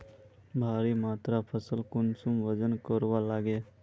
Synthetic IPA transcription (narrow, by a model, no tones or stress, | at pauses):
bʱaːɾimaːt̪ɾapʰəsəlkʊnsumʋəd͡ʒənkəɾwalaːɡeː